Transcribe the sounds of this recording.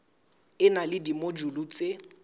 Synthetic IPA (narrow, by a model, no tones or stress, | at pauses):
ɪnalɪdimod͡ʒulut͡sʼe